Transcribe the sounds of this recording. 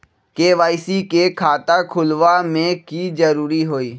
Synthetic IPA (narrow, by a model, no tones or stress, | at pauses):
keːʋaːɪsikekʰaːt̪akʰʊlʋamẽkid͡ʒəɾuːɾiɦoːiː